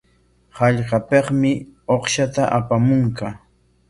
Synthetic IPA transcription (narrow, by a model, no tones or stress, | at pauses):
hɑʎɢɑpeqmɪoχʃat̪aʔapamʊŋka